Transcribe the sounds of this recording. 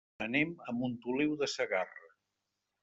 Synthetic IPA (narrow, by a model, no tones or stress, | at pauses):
ənɛməmbunt̪ulewðəsəɣarə